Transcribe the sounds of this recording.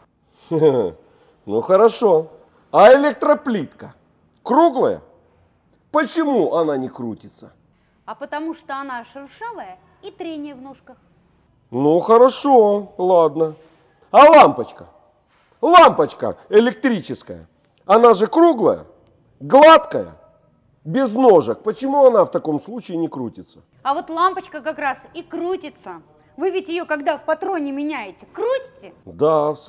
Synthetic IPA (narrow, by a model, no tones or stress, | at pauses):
nuxəɾɐʂo | ɐɪlʲek̚t̪ɾəplʲit̪kə | kɾuɡlˠəjə̰ | pət͡ɕɪmuʔɐnanʲɪkɾutʲɪt̪sə | ɐpət̪ɐmuʂt̪oɐnaʂɨrʂavəjə | it̪ɾʲenʲɪjəvnoʂkə | nuxəɾɐʂolˠad̪nə | ɐlˠampət͡ɕkə | lˠampət͡ɕkə̰ɪlʲɪk̚t̪ɾʲit͡ɕɪskəjə̰ | ɐnaʐɨkɾuɡlˠə̰jə̰ | ɡlˠat̪kəjə̰ | bʲɪzno̞ʐək̚pət͡ɕɪmuɐnaft̪ɐko̞mslˠut͡ɕɪɪnʲɪkɾutʲɪt̪sə̥ | ɐvo̞t̪lˠampət͡ɕkəkɐkɾasikɾutʲɪt̪sə | vɨvʲɪtʲjɪjokɐɡd̪afpɐt̪ɾo̞nʲɪmʲɪnʲæjɪtʲɪ̥kɾutʲɪ̥tʲɪd̪afs